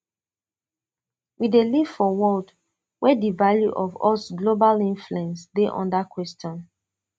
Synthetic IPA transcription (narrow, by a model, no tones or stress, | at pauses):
wideliv̥fɔwɔld | wʔɛdivaljuʔɔvɔsɡlobalĩnfluɛ̃nsdeʔɔ̰̃ndakʰwɛstɔ̃n